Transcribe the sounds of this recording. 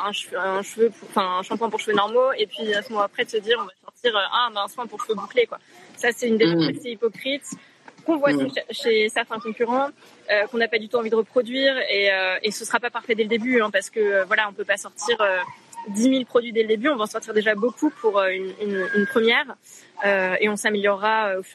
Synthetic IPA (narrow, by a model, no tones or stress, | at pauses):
ɛ̃ʃɛ̃ʃvøpuʁɑ̃fɛ̃ɛ̃ʃɑ̃pɑ̃puʁʃəfənɔʁmoepɥiɛ̃səmɔmɑ̃apχɛd̪əsəd̪iʁɔ̃vasɔʁt̪iʁøʔɛ̃bɛ̃ɛ̃smɛ̃puʁʃə̥vøbuklekwasasɛtynd̪eaɛkseipɔkχit̪ | kɔ̃vwad̪ɔ̃kʃʃesɛʁt̪ɛ̃kɔ̃kʲyʁɑ̃ | økɔ̃napad̪yt̪uɑ̃vid̪əʁəpχɔd̪ɥiʁeøesəsəʁapapaʁfɛd̪ɛləd̪ebyɛ̃paʁsə̥kəøvwalaɔ̃pøpasɔʁt̪iʁød̪imilpχɔd̪ɥid̪ɛləd̪ebyɔ̃vaɑ̃sɔʁt̪iʁd̪eʒabokupʰuʁøynynynpχəmjɛːʁøeɔ̃sameljɔʁːaøof